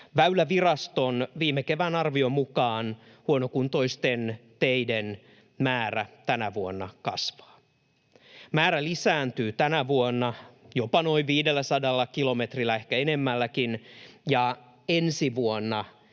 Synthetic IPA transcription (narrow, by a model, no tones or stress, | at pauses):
ʋæylæʋirɑst̪onʋiːmːekeʋænɑrʋiomukɑːn | huonokunt̪oist̪ent̪eiden | mæːræt̪ænæʋuonːɑ̰kɑ̰sʋɑ̥ː | mæːɾælisæːnt̪yːt̪ænæʋuonːɑjopɑnoiʋiːdelːæsɑdɑlːɑkilo̞met̪rilːæehkæenemːælːækinjɑ | ensiʋuonːɑ